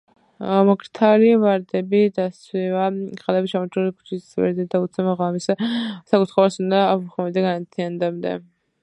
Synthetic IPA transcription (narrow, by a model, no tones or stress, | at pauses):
maɡɾt̪ʰalivaɾd̪ɛbid̪aswivaχalɛbiʃamɔt͡ʃʰɾulikʰu̥t͡ʃʰivɛ̰ɾd̪ɛd̪aut̪sʰɛmaʁamissakʼut̪ʰχɔβasund̪auχmɛmd̪ɛɡanat̪ʰiand̪amd̪ɛ̰